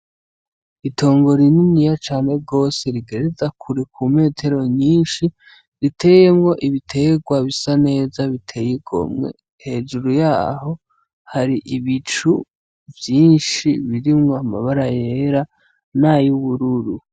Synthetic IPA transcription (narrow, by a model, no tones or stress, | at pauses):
itʰo̞ːŋɡo̞ɾininijat͡ʃaːne̞ɡo̞ːse̞ɾiɡe̞ɾezakʰuɾikʰume̞ːtʰe̞ɾo̞ɲiːnʃi | ɾitʰe̞jemŋo̞ʔiβitʰe̞ɡwaβisane̞ːzaβitʰe̞jiɡo̞̰mŋe̞̰ | he̞ːd͡ʒuɾujaːho̞ | haɾiʔiβit͡ʃu | vjiːnʃiβiɾimŋoama̰βaɾajeɾa | najuβuɾuɾu